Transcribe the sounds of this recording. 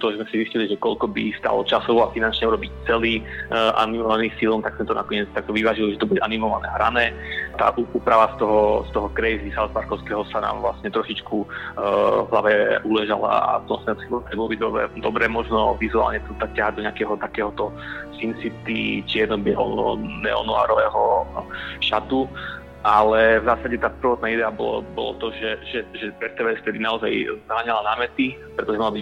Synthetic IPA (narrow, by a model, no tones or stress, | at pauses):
t̪ɔʒɛzmɛsizisciliʒɛkɔlkɔbist̪a̰ːlɔ̰t͡ʃasɔʋɔafinant͡ʃɲɛuɾɔbict͡sɛliːʔa̰nimɔʋaniːsilˠnt̪aɡsɛt̪ɔna̰kɔɲɪɛt͡st̪ak̚t̪ɔʋiʋaːʒilɔʒɛt̪ɔbuɟɛanimɔʋanɛɦɾa̰nɛːt̪a̰ːʔuuːpɾaʋast̪ɔɦɔst̪ɔɦɔkɾɛjzisalspaɾkɔʊskɛɦɔsana̰ːmʋla̰sɲɛt̪ɾɔʃit͡ʃku | vɦlaʋɛʔulɛʒala̰a̰sɔmɔ̰snɛsibt̪ɾɛbɔlɔbid̪ɔbɛ̰d̪ɔbɾɛmɔʒnɔʋizua̰ːlɲɛt̪ɔt̪akcːaɦad̪ɔɲɪakɛɦɔt̪akɛːɦɔt̪ɔsint͡sip̚t̪it͡ʃɪɛd̪nɔbɛlɔ̰ɔ̰nɛɔ̰nua̰ːɾɔʋɛːɦɔ | ʃat̪u | ʔalɛvzaːsaɟɛt̪aːpr̩ʋɔt̪̚naːid̪ɛabɔlɔ̰bɔ̰lɔ̰t̪ɔʒɛʒɛʒɛɛt̪ɛʋɛst̪ɛd̪inaɔzajzɦaːɲalanaːmɛt̪ipɾɛt̪ɔʒɛmalabi